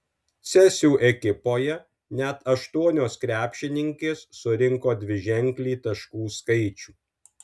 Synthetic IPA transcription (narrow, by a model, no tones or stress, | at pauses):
sʲɛsʲuːʔɛkʲɪpoːjɛ | nʲɛt̪ɐʃt̪uɔnʲoːskɾʲæːpʲʃʲɪnʲɪŋʲkʲeːsːʊɾʲɪŋkoːd̪ʲʋʲɪʒʲɛŋʲklʲiːt̪ɐʃkuːskɐɪt͡ʃʲuː